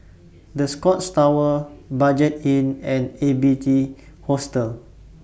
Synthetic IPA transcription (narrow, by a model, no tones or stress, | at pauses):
dəskɔtstawəbad͡ʒɛtĩnɛ̃nebiti | hostəl